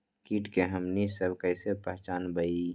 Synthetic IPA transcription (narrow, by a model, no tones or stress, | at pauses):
kiːʈkeɦəmnisəbkəɪsepəɦt͡ʃaːnbəi